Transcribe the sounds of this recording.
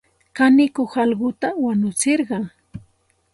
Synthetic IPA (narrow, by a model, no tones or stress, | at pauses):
kanɪkoχɑlɢʊt̪awanʊt͡sɪɾɢɑŋ